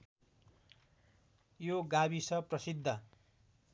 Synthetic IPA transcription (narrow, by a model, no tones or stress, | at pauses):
joɡabisʌprʌsid̪ʱːʌ